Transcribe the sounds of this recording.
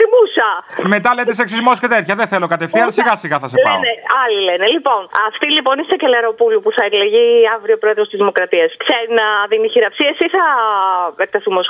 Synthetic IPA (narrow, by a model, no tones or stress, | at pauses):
t̪imusɐmet̪ɐlet̪eseksizmoscet̪et̪çɐðeθelo̞kɐt̪efθiɐlsiɣɐsiɣɐθɐseleneɐlilenelipo̞nɐft̪ilipo̞nist̪ɐcelɐɾo̞pulupuθɐeɾleʝiɐvɾio̞pɾo̞eðɾost̪izðimo̞kɾɐt̪iɐskseɾinɐðiniçiɾɐpsiɐsiθɐ | ek̚t̪ɐθumos